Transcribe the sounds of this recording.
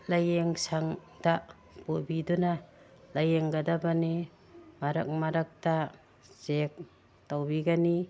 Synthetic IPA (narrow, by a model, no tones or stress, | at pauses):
lajeŋsaŋ | da | pubiduna | lajeŋɡadabani | maɾa̰k̚maɾak̚ta | z̥ek̚ | tawbiɡani